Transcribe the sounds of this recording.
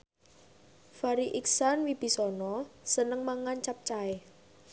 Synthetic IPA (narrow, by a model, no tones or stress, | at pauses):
faɾiʔiksanwib̥i̤sɔnɔsənəŋmaŋant͡ʃap̚t͡ʃae